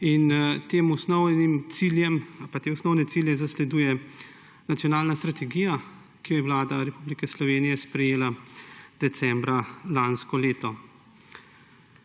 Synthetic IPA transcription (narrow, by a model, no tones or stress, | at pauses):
int̪eːmɔsnɔwnimt̪siljɛmpat̪eːɔsnɔwnɛt̪iljɛzaslɛd̪uːjɛ | nat̪jɔnaːlnast̪ɾat̪ɛɡiːja | kijɔjɛwlaːd̪aɾɛpublikɛslɔʋeːnijɛspɾɛjeːlad̪̥ɛt̪sɛmbɾalanskɔleːt̪ɔ